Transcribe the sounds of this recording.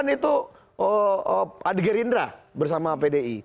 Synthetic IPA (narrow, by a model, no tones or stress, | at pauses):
nit̪u | əəadɡəɾindɾabərsamapedei